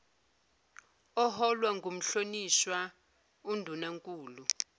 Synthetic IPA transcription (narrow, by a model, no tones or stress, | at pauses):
ɔɦɔlwaŋɡʱom̩ɬoniʃwa | undʱunaŋkʼuːlu